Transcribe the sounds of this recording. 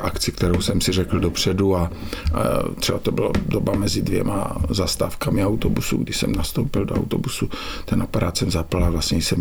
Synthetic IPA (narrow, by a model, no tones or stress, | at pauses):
ʔakt͡sɪkt̪ɛɾowsɛmsɪrɛkl̩dopr̝̥ɛdua | t̪r̥ɛbat̪obɪla̰dobamɛzɪdvjɛ̰ma̰zast̪a̰ːfkamɪawt̪obusṵɡdɪʃsɛ̰mnast̪owpɪldoa̰wt̪o̰busut̪ɛnʔapaɾaːt̪sɛmzaplavlasɲɛjsɛm